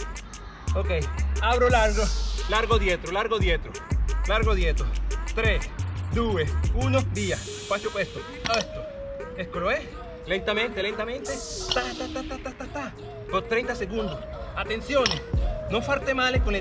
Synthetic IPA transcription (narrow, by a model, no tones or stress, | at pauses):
okejaβɾolaɾɣolaɾɣoðjet̪ɾolaɾɣoðjet̪ɾolaɾɣoðjet̪ot̪ɾesd̪uesunod̪ias | pasopwest̪o | est̪o | eskoloes | lent̪amẽnt̪elent̪amẽnt̪et̪at̪at̪at̪at̪aht̪aht̪a | kot̪ɾejnt̪aseɣũnd̪os | at̪e̞nsjonesnofaɾt̪emalekone